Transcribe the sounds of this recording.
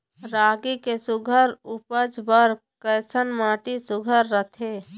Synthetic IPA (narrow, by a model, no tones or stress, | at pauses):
ɾaːɡikesʊɡʱəɾupəd͡ʒbəɾ | kəɪsənmaːʈisʊɡʱəɾːət̪ʰe